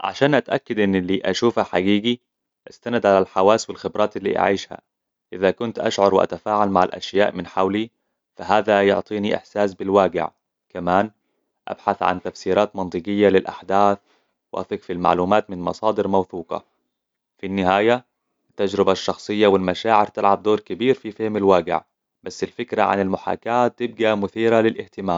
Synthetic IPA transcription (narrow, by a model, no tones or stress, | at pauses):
ʕa̰ʃaːnʔat̪ʔakːad̪ʔɪnːɪlːiːʔaʃuːfhaħaɡiːɡi | ʔast̪anad̪ʕalalħawaːswɪlxɪbɾˤʔɑːt̪ɪlːḭːʔa̰ʕiːʃha̰ | ʔɪðakʊnt̪ʔa̰ʃʕʊɾˤwɪʔa̰t̪afaːʕalmaʕa̰lʔa̰ʃjaːʔmɪnħawli | faɦaːðajʊ̰ʕt̪ˤiːniʔɪ̰ħsaːsbɪlwaːɡɪ̰ʕ | kamaːn | ʔa̰b̥ħaθʕa̰nt̪afsiːɾaːt̪mɑnt̪ˤɨɡɪjːalɪlʔa̰ħd̪aːθ | wɪʔa̰fɪkfilma̰ʕluːmaːt̪mɪnmɑ̰sˤɑːd̪ɪɾmawθuːqɑ̰ | finːɪhaːja | t̪ːad͡ʒɾɪbaʃːɑxsˤɨjːawɪlmaʃaːʕɪɾt̪ɪlʕab̚d̪oːɾkɪbiːɾfifɪhmalwaːɡɪ̰ʕ | b̥asːɪlfɪkɾaʕa̰nɪlmʊħa̰ːkaːt̪ːɪb̚ɡamʊθiːɾalɪlʔɪht̪ɪmaːm